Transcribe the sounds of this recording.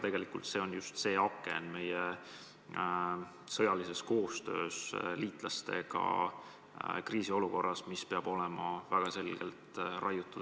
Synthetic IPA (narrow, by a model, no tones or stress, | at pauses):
t̪e̞ɡ̥elikult̪se̞o̞njust̪se̞ːɑkːˑḛnme̞je | sɤ̞jɑlise̞sko̞ːst̪ø̞̰ːsliːt̪ˑlɑst̪e̞̰ɡ̥ɑ̰ | kriːsio̞luko̞rːɑsmispe̞ɑb̥o̞le̞mɑvæɡ̥ɑse̞lɡ̥e̞̰lt̪rɑ̰jut̪ːˑud̪̥